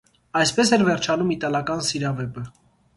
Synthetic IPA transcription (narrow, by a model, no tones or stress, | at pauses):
ɑjspɛsɛɾvɛɾt͡ʃʰɑnumit̪ɑlɑkɑnsiɾɑvɛpə